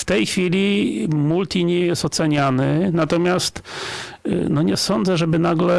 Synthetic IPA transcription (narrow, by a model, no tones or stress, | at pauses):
ft̪ɛjxfʲilʲimult̪ʲiɲɛjɛst̪ɔt̪sɛɲanɘnat̪ɔmʲjast̪ | nɔɲɛsɔnd̪zɛʐɛbɘnaɡlɛ